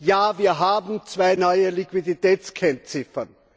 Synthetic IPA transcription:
jaːviːɐɦaːbm̩t͡sv̥aɪnɔʏəlikv̥iditɛːt͡skʰɛnt͡sɪfɐ̰n

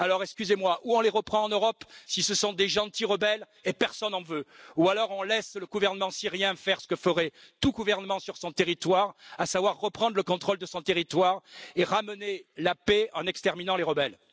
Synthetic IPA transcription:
alɔʁɛkskʲyzemwaʔuɔ̃leʁəpχɑ̃ɑ̃nøʁɔpsisəsɔ̃d̪eʒɑ̃t̪iʁəbɛl | epɛʁsɔnɑ̃vøualɔʁɔ̃lɛsləɡuvɛʁnəmɑ̃siʁjɛ̃fɛʁsə̥kəfəʁɛt̪uɡuvɛʁnəmɑ̃syʁsɔ̃t̪eʁit̪waʁasavwaʁːəpχɑ̃d̪ʁələkɔ̃t̪χɔld̪əsɔ̃t̪eʁit̪waʁeʁamənelapeɑ̃nɛkst̪ɛʁminɑ̃leʁəbɛl

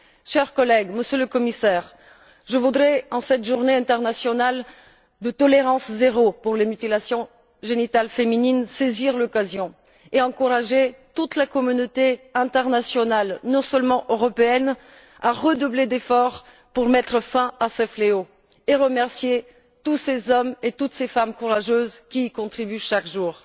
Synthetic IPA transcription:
ʃɛʁkɔlɛɡməsjøləkɔmisɛːʁ | ʒəvud̪ʁɛɑ̃sɛt̪ʒuʁneɛ̃t̪ɛʁnasjɔnal | d̪ət̪ɔleʁɑ̃szeʁopuʁlemyt̪ilasjɔ̃ | ʒenit̪alfemininseziʁlɔkazjɔ̃ | eɑ̃kuʁaʒet̪ut̪lakɔmynot̪eɛ̃t̪ɛʁnasjɔnalnɔ̃sœlmɑ̃ʔøʁɔpeɛn | aʁəd̪ubled̪efɔʁ | puʁmɛt̪χəfɛ̃asɛfleo | eʁəmɛʁsje | t̪usezɔmet̪ut̪sefamkuʁaʒøzkʲiːkɔ̃t̪χibyʃakʒuːʁ

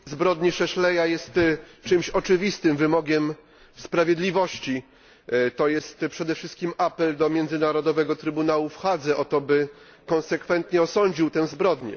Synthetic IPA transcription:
zbɾɔd̪ɲɛʂɛɕlɛjajɛst̪t͡ʂɘmɕɔt͡ʂɘvʲist̪ɘmvɘmɔɡʲɛm | spɾavʲjɛd̪lʲivɔɕt͡ɕi | t̪ɔjɛst̪pʂɛd̪ɛfʂɘst̪kʲimapɛld̪ɔmʲjɛnd̪zɘnaɾɔd̪ɔvɛɡɔt̪ɾɘbunawufxad̪zɛʔɔt̪ɔbɘ | kɔ̃nsɛkfɛnt̪ɲɛɔsɔɲd͡ʑiwt̪ɛw̃zbɾɔd̪ɲɛ̰

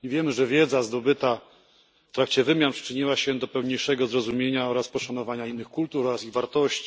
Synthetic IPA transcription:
ivʲjɛmɘʐɛvʲjɛd̪zazd̪ɔbɘt̪a | ft̪ɾak̚t͡ɕɛvɘmʲjanpʂɘ̥t͡ʂɘɲiwaɕɛd̪ɔpɛwɲejʂɛɡɔzɾɔzumʲjeɲaɔɾaspɔʂanɔvaɲainːɘxkult̪ufɔɾasiɣvaɾt̪ɔɕt͡ɕi̥

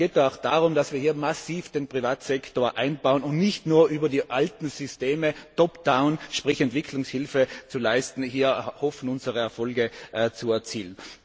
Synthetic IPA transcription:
ɡ̥eːt̚daaʊxd̥aːʁʊmd̥asv̥iːɐɦiːɐmasiːfd̥enpʁ̥ivaːtsɛktoːɐʔãɪnbaʊənʊntnɪçtnuːɐʔyːbɐdiːʔaltn̩zʏsteːmətʰɔpd̥aʊnʃpʁ̥ɪçɛntv̥ɪkʰlʊŋshɪlfət͡sulaɪstn̩hiːɐhɔfn̩ʊnzəʁəɛɐfɔlɡəʔt͡suɛɐt͡siːlən

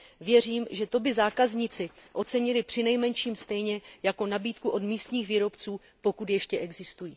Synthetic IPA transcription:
vjɛr̝iːmʒɛt̪o̞bɪzaːkazɲɪt͡sɪʔo̞t͡sɛɲɪlɪpr̥ɪnɛjmɛnʃiːmst̪ɛjɲɛjako̞nabiːt̪kuʔo̞d̪miːst̪ɲiːxviːɾo̞pt͡suː | po̞kut̪jɛʃcɛʔɛɡzɪst̪ujiː

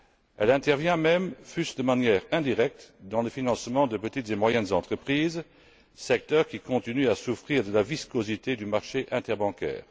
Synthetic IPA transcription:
ɛlɛ̃t̪ɛʁvjɛ̃mɛmfysd̪əmanjɛːʁɛ̃d̪iʁɛk̚t̪d̪ɑ̃ləfinɑ̃smɑ̃d̪əpət̪it̪z̥emwajɛnzɑ̃t̪χəpχiːz | sɛk̚t̪œʁkʲikɔ̃t̪inyasufχiːʁd̪əlaviskozit̪ed̪ymaʁʃeʔɛ̃t̪ɛʁbɑ̃kɛ̰ːʁ

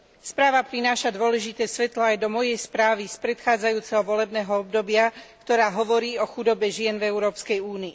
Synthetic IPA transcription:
spɾaːʋapɾinaːʃad̪ʊɔlɛʒit̪ɛːsʋɛt̪lɔajd̪ɔmɔjɛjspɾaːʋispɾɛt̪xaːd͡zajuːt͡sɛɦɔʋɔlɛbnɛːɦɔɔb̚d̪ɔbɪakt̪ɔɾaːɦɔʋɔɾiːɔxud̪ɔbɛʒɪɛnvɛuɾɔːpskɛjuːniː

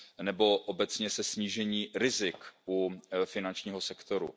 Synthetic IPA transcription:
nɛbo̞ʔobɛt͡sɲɛsɛsɲiːʒɛɲiːɾɪzɪkufɪnant͡ʃɲiːɦo̞sɛkt̪o̞ɾṵ

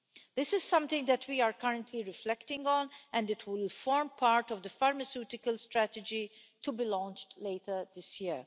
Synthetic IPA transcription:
d̪ɪsɪz̥sʌ̃mt̪ɪ̃ŋɡd̪ɛtwiaːɾkɐɾə̃ntʰliɾɪflɛktɪ̃ŋɡɔ̃nɛ̃ndɪtʰwɪlfɔːɹmpʰaːɹtɔvd̪əfaɹmɐsjuːtɪkəlstɾætɛd͡ʒitubilɔ̃ːnt͡ʃtleɪtʰəd̪ɪsji

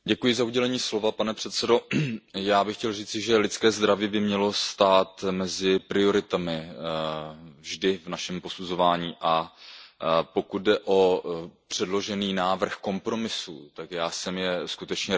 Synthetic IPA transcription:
ɟɛkujɪzauɟɛlɛɲiːslo̞vapanɛpr̝̥ɛt̪sɛdo̞jaːbɪxcɛlriːt͡sɪʒɛlɪt͡skɛːzd̪ɾaviːbɪmɲɛlo̞st̪aːt̪mɛzɪpɾɪo̞ɾɪt̪amɪ | vʒdɪvnaʃɛmpo̞suzo̞vaːɲiːʔa | po̞kut̪̚dɛʔo̞pr̝̥ɛdlo̞ʒɛniːnaːvr̩xko̞mpɾo̞mɪsṵːt̪akjaːsɛmjɛskut̪ɛt͡ʃɲɛ

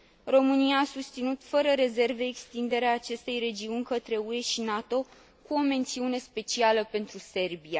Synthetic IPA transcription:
ro̞mɨnijaːsust̪sinut̪fəɾəɾe̞ze̞rve̞ːkst̪ind̪e̞ɾeaːt͡ʃe̞st̪e̞jre̞d͡ʒiunʲkət̪ɾe̞ue̞ʃinat̪o̞ | kuo̞me̞nt̪siune̞spe̞t͡ʃialəpe̞nt̪ɾuse̞rbia

